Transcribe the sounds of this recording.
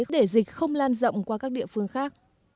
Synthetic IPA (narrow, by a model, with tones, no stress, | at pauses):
ɗe˧˩zi˨˩k̟̚xə˧wŋ͡mlaː˧nzə̰˧˨wŋ͡mkwaː˧kaː˦˥k̚ɗḭ˧˨əfɨ˧əŋxaː˦˥k̚